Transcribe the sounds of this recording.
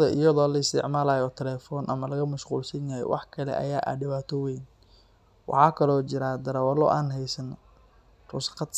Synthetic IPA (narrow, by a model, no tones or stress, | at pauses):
ðɐʔɪjɐðɔːlɐɪst̪ʰɪ̰ʕmaːlaːjɔt̪ʰɛlɛːfɔːnʔɐ̰mɐlɐɣɐmɐʃqṵːlsɐnjajɛ̰wʔɑ̰ħkʰɐlɛ̰ʔɐ̰jaːʔa̰ɖɪβaːt̪ʰɔwɛjn | wʔɑ̰ħɑːkʰɐlɔːt͡ʃɪɾaːd̪ɐɾɐwɐlɔ̰ːʔaːnɦɛjsɐn | rʊsqɑd̪